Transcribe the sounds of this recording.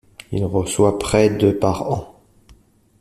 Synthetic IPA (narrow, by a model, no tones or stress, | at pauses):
ḭlʁəswapχɛd̪əpaʁɑ̃